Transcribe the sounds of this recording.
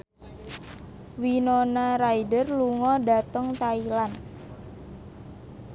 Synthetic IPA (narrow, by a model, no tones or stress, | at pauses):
winonaɾaidərluŋɔda̤t̪əŋt̪ailan